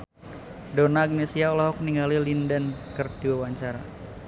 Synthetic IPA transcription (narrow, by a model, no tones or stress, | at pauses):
donaɡ̚nesiaɔlɔɦɔk̚niŋɡalilindənkərd̥iwawaɲt͡ʃaɾa